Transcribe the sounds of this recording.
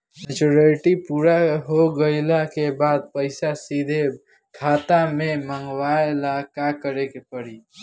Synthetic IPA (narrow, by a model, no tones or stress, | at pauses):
nət͡ʃoɾalʈipuɾaɦoɡəɪlakebad̪̚pəɪsasid̪ʱe | kʰat̪ameməŋɡwaelakakəɾekepəɽi